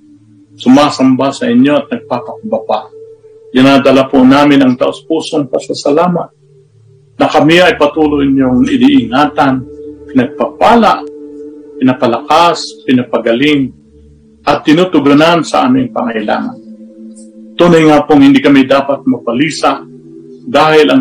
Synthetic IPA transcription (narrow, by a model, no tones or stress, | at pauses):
sʊmaːsɐmbasɐʔɪɲjoɐt̪̚nɐɡ̚papɐkʊbapa | ɡɪnaːd̪ɐlapʊnaːmɪnɐŋt̪ɐʔʊspuːsoŋpɐsasalaːmat̪̚ | nɐkɐmɪɐjpɐt̪uːloʔɪɲjoŋɪniʔɪŋaːt̪anpɪnɐɡ̚papaːla̰ʔ | pɪnapɐlɐkaspɪnɐpɐɡɐlɪŋ | ʔɐt̪ːɪnut̪ʊɡʊnansɐ̰ʔa̰ːmɪŋpɐ̰ŋɐjla̰ːŋa̰n | t̪uːnɐjŋaːpoŋhɪnd̪ikɐmid̪aːpat̪̚mɐpɐliːsa | d̪aːhɪlʔɐŋ